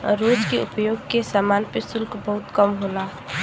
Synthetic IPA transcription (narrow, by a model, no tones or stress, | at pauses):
ɾoːd͡ʒkeʊ̰pjoɡkesaːmaːnpesʊlkbəɦʊt̪kəmɦola